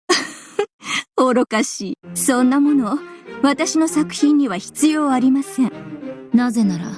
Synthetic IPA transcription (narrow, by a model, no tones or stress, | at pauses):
oɾo̞kaɕiːsõ̞nːamo̞no̞βat̪aɕino̞sakɯ̟̥çĩɲ̟ːiβaçi̥t͡sɨjo̞ːaɾʲimasẽ̞ɴnaze̞naɾa̰